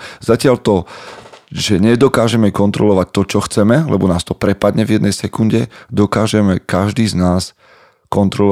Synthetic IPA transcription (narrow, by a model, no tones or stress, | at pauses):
zacɪalt̪ɔ | ʒɛɲɛd̪ɔkaːʒɛmɛkɔnt̪ɾɔlɔʋac̚t̪ɔt͡ʃɔxt͡sɛmɛlɛ̰bɔnaːst̪ɔpɾɛpad̪ɲɛvjɛd̪nɛjsɛkunɟɛd̪ɔkaːʒɛmɛkaʒd̪iːznaːs | kɔnt̪ɾɔl